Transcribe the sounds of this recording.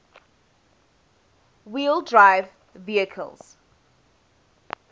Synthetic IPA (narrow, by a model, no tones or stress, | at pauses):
wildɹaɪv | viəkʰə̰lz̥